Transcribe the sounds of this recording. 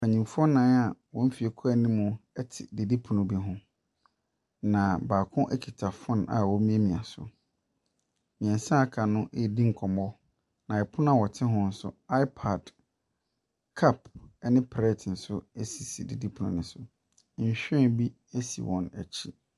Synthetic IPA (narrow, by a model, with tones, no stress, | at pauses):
a˨ɲĩ˨mfu˦ɔ˦nãː˦na˨wɔ̃˦m̩˦fi˨e˨kʰɔ˦ɛ˨nĩ˦mʊ̃˨ɛ˦tʰɪ̰˨de˨di˦pʰu˨nũ˨bi˦ɦʊ̃˦ | nã˨baː˨kʰʊ̃˦ʔɛ˦kʰi˨tʰa˨fʊ̃˦na̰˨wɔ˦mĩ˦e˦mĩ˨a˨sʊ̰˨ | mĩ˨ɛ̃˨nsã˦˨kʰa˨nʊ̃˦ʔdi˦ŋ̩˨kʰɔ˨mɔ˦ | nã˨ɛ˨pʰʊ˦nã˦˨wɔ˨tʰɪ˦ɦʊ̃˦n̩˦sʊ̰˦a˦ɪ˦pʰa˨d | kʰa˦pɛ˦nɪ̃˦pʰɛ˦˨tʰn̩˨sʊ˦e˦si˨si˨di˨di˦pʰu˨ṵ̃˨nɪ̃˨sʊ˨˦˨ | ɕᶣɛ̃˦bi˦ | e˦sḭ˨wʔɔ̰̃˨næ̰˨t͡ɕʰi˦